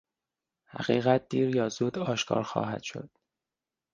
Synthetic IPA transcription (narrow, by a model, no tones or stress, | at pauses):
hæ̰ɣ̥iːɣæt̪̚d̪iːɾjɒːzuːd̪ɒːʃkʰɒ̰ːɾxɒ̰ːɦæ̰d̪̥ʃo̞̰d̪̥